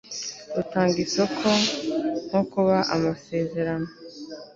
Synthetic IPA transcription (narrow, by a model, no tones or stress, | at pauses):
dutaːŋɡit͡sekʰonokuβaʔa̰mase̞ze̞ɾano